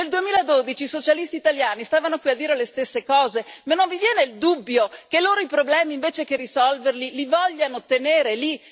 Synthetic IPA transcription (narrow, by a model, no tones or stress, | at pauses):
neld̪uemiːlad̪od̪it͡ʃiːsot͡ʃalist̪iːt̪aljaːnist̪aːvanokwiad̪ːiːɾelest̪esːekɔːzemanːoɱvivjɛːneild̪ubːjokeloːɾoipɾoblɛːmiːɱveːt͡ʃekerːisɔlverlilivɔʎːanot̪eneːɾeli